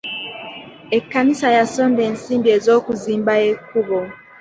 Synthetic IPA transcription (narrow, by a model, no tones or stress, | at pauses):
ekːanisajasoːmdeːnsiːmbiezoːkuziːmbaekuβo